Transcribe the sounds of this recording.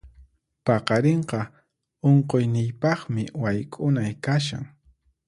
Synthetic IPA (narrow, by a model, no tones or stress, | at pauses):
pɑqɑɾeɴqɑ | oɴqojnɪjpɑχmɪwajkʼʊnajkaʃ̬a̰ŋ